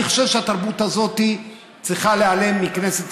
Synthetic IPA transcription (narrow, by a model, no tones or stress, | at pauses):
iχoʃevʃeat̪aʁbut̪azo̞t̪i | t͡sʁiχaleale̞mːikne̞set